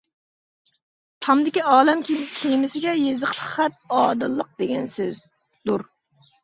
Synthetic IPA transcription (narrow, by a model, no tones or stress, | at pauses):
t̪ʰɑmd̪ɪkʲiɑːlɛmkʲʰikʲʰejmɪsɪɡʲɛjezɨq̪ʰχæt̪̚ɑːd̪ɨlˠːəq̚d̪eɡʲɛnsɪz | d̪̥uɾ